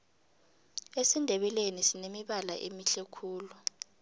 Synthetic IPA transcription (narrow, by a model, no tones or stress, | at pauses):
esindʱɛɓɛlenisinemiɓalaʔemiɬɛkʰuːlu